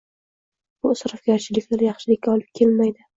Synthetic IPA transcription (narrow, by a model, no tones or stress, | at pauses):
bʊsɾɒfɡʲaɾt͡ʃʰɪlɪkʲlaɾjɑχʃɪlɪkʲːaɒlˠɪp̚kʲʰe̞lmajd̪ɪ